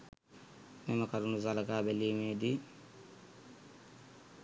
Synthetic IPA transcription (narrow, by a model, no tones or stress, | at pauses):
meməkɐɾunuzalɐɡaːbeliːmeːd̪i